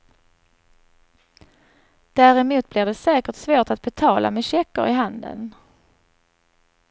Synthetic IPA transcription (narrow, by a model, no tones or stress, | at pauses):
d̪̥æɾɛmuːt̪̚blɪɖɛsɛːkəʈsvoːʈat̪̚bɛt̪ʰɑːla̰mɛɕɛkːə̰ɾɪɦand̪ə̰n